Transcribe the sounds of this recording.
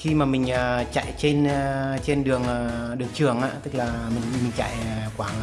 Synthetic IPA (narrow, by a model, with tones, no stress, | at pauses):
xi˧maː˨˩mï˨˩ŋ̟ʔəː˨˩t͡ɕa̰˧˨jt͡ɕe˧nː˧t͡ɕe˧nɗɨ˨˩əŋʔːɗɨ˨˩əŋt͡ɕɨ˨˩əŋʔa̰ː˧˥t̪ɨ˦˥k̚laː˨˩mï˨˩ŋmï˨˩ŋ̟t͡ɕa̰˧˨jkwaː˧˩ŋ